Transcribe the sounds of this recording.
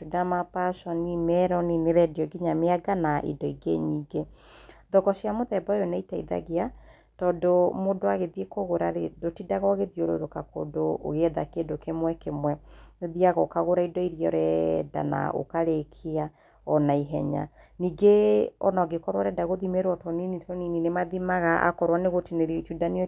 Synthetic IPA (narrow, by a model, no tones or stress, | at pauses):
tudamapaʃɔnimɛɾɔnineɾɛdiɔɡiɲameaɡanaʔḭdɔiɡḛɲiːɡe | ðɔɣɔɕjamoðɛbaejonaitaḭða̰ɣea | tɔːdomodoaɣeðiekoɣoɾaɾedotidaɣɔɣeðioɾo̰ɾokako̰do̰ːɣeɛðakendokemwɛkemwɛoðiaɣɔkaɣoɾaidɔiɾijɔ̰ɾɛda̰na̰ʔo̰kaɾekʰea | ɔnaiɦɛɲa̰niːɡeɔ̰naɡekɔɾwaɾɛdaɣoðimeɾwɔtɔninitʰɔnininemaðimaɣaʔa̰kɔɾwaneɣotineɾit͡ʃudani